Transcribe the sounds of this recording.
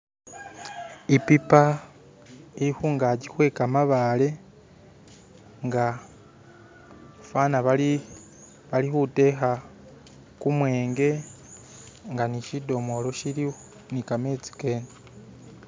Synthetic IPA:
ipipa | iihuːŋɡaɟikwe̞ːkamaβale̞ | ŋɡa | fanaβai | βalihute̞ɦa | kumweːŋɡe̞ | ŋɡaniʃido̞mo̞lo̞ʃiɾi | nikame̞ːt͡si̥ke̞ːne

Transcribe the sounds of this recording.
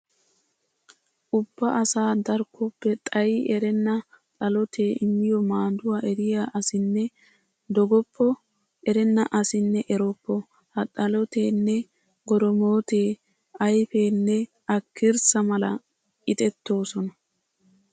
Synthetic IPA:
ʔʊbːɐʔɐsaːd̪ɐɾkʰːɔpːɛt̪ʼɐjɛɾɛnːɐ | t̪ʼɐlɔt̪ʰe̞ːʔɪmːɪjɔmaːd̪ʊwaːʔɛɾɪjaːʔɐsɪnːɛ | d̪ɔɡɔpʰːɔ | ʔɛɾɛnːɐʔɐsɪnːɛʔɛɾɔpːɔ | hɐt̪ʼɐlɔt̪eːnːɛ | ɡɔɾɔmoːt̪e̞ː | ɐjfe̞ːnːɛ | ɐkːɪɾsɐmɐlɐ | ɪt̪ʼɛt̪ːoːsɔnɐ

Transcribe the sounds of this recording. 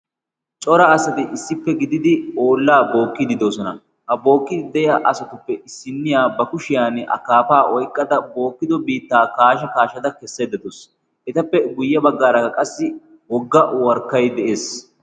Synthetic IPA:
t͡ʃʼɔɾɐɐsɐt̪ɪʔɪsːɪpːɛɡɪd̪ɪd̪ɪo̞ːlːaːbo̞ːkːɪd̪ɪd̪oːsɔnɐ | hɐbo̞ːkːɪd̪d̪ɛjɐʔɐsɐt̪ʊpːɛʔɪsːɪnːɪjaːbɐkʊʃɪjaːnɐ̰kaːpaːʔɔjkʼːɐd̪ɐbo̞ːkːɪd̪ɔbiːt̪ːaːkaːʃɐkaːʃɐd̪ɐkɛsːeːd̪ɐd̪ʊs | ʔɛt̪ɐpːɛɡʊjːɐbɐɡːaːɾɐɐkʼɐsːɪ | wɔɡːɐwɐɾkːɐjd̪ɛʔe̞ːs

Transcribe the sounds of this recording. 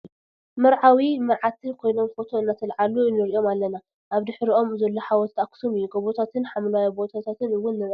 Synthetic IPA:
mɐɾʕawimɨɾʕat̪ʰɨnkʰo̞jno̞mfo̞t̪ʰo̞ɨnːat̪ʰɐlʕalunɨɾio̞malːɐna | ʔaβd̪ɨħɾiʔo̞mzɐlːoħawɔt̪t̪aksomɨjːuɡɐβot̪ʰat̪ʰɨnħamlajabo̞t̪ʰat̪ʰat̪ɨnɨwːʊnːɨɾ

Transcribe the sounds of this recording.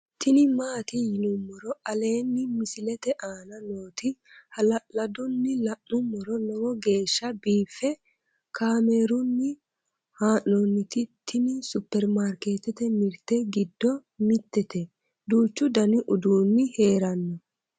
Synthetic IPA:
t̪ʰɪnɪmaːt̪ɪjɪnʊmːɔɾɔɐle̞ːnːɪmɪsɪlɛt̪ɛʔaːnɐnoːt̪ɪ | hɐlɐlɐd̪ʊnːɪlɐʔʊmːɔɾɔlɔwɔɡe̞ːʃːɐbiːfːɛ | kʰaːmeːɾʊnːɪ | haːnːonːɪt̪ɪt̪ʰːɪnɪsʊpːɛɾmaːɾke̞ːt̪ɛt̪ɛmɪɾt̪ɛɡɪd̪ːɔmɪt̪ːɛt̪ɛ | d̪uːt͡ʃːʊd̪ɐnɪʔʊd̪uːnːɪhe̞ːɾɐnːɔ

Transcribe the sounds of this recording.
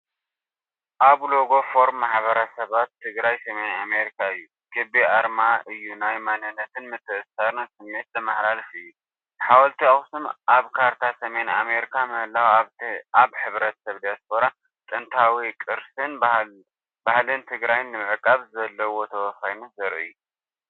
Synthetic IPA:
ʔaβlo̞ɡo̞fo̞ɾmːaħβɐɾɐsɐβat̪ʰːɨɡɾajsɐme̞name̞ɾikʰaɨjːu | ɡ̥ɨbiʔaɾmaʔɨjːunajmanɨnːɐt̪ʰɨnmɨt̪ʰːɨʔɨsaɾnsɨmːe̞t̪̚zɨmaħlalfɨjːu | ħawɐlt̪ʰiaxsumʔaβkʰaɾt̪ʰasɐme̞nameɾikʰamɐhlawʔaβħɨβɾɐt̪sɐβd̪ijaspʰo̞ɾa | t̪ʼɨnt̪ʰawikʼɨɾsɨn | bahlɨnt̪ʰɨɡɾajnːɨmɨʕɨkʼːaβzɐlːɐwo̞t̪ʰɐwɐfajnɐzɨɾʔɨ̰jːu

